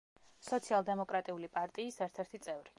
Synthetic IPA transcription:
sɔt̪sʰialˠd̪ɛmɔkʼɾat̪ʼiulipʼaɾt̪ʼiːsɛɾt̪ʰɛɾt̪ʰit̪sʼɛvɾi

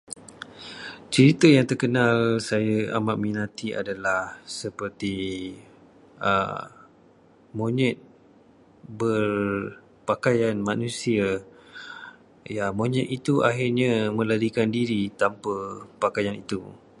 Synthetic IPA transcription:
t͡ʃəɾit̪əjaŋt̪ərkənãlsajəʔa̰maʔ̪̚minãt̪ia̰dalahsəpərt̪i | ə̰ | mõɲɛt̪̚ | bər | pakajanmanũsia | jamõɲɛt̪it̪uʔa̰ɦirɲamə̃laɾikandiɾit̪ampəpakajanit̪u

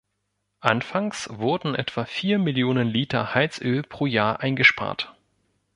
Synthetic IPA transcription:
ʔanfaŋsv̥ʊɐdn̩ʔɛ̰tv̥afiːɐmɪljoːnənliːtɐhaɪt͡sʔøːlpʁ̥oːjaːɐʔaɪnɡəʃpa̰ːɐt

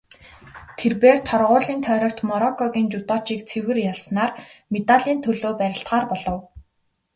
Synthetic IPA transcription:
t̪ʰerpeːrt̪ʰɔrʁʊːɮiːnt̪ʰœːɾɞ̆kt̪mɔɾɔkʰɔɣʲiːnt͡ɕʊt̪ɔːt͡ɕiːk̚t͡sʰewɘ̆rjaɮsnaːrmet̪aɮiːnt̪ʰɵɮoːpæɾʲɪ̆ɬt̪ɢaːrpɔɮɞ̆w

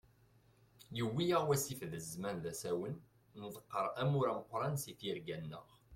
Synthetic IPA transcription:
jəwːijəʁwæsifðəzmænðæsæwən | nðˤəqːəɾˤæmuɾæməqʷːɾˤɑnsiθiɾɡænːə̰ʁ

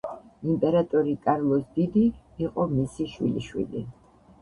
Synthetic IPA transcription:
impʼɛɾat̪ʼɔɾikʼaɾlˠɔsd̪id̪iː | qʼɔmisiʃwḭlḭʃwḭlḭ

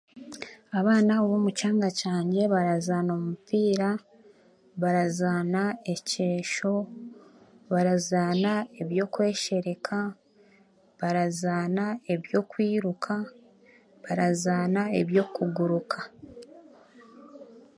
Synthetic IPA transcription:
aβaːnaoβoːmut͡ʃaːŋɡacaːɲɟe̞βaɾazaːno̞mupiːɾa | βaɾazaːnae̞ce̞ːʃo̞ | βaɾazaːnae̞βjo̞ːkwe̞ːʃe̞ɾe̞kʰa | βaɾazaːnae̞βjo̞ːkwiːɾukʰa | βaɾazaːnaeβjo̞ːkuɡuɾukʰa

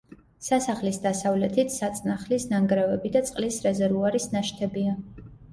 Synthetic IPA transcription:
sasaχlisd̪asavlɛt̪ʰit̪ʰsat̪sʼnaχlisnaŋɡɾɛvɛbid̪at̪sʼqʼlisɾɛzɛɾvuaɾisnaʃt̪ʰɛbia

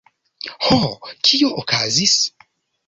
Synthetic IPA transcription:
hokʰioʔokazis

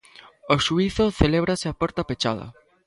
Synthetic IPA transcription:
oʃuiθoθeleβɾasɪapɔɾt̪apet͡ʃaðɐ̰

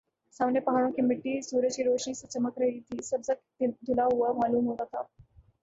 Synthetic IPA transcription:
sãʋnəpəɦaɽõkimiʈːiːsuɾət͡ɕiːɾoʂɳiːsət͡ɕəməkɾəjit̪ʰiːsəbd͡zakt̪id̪ʱulaɦuʋəmaluːnɦotat̪a

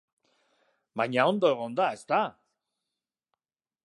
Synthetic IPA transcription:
bajɲaond̪oeɣ̞o̞nd̪aest̪a

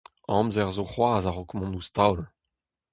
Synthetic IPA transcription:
ɑ̰̃mzɛʁzoχwaːzaʁɔkmɔ̃nust̪awl

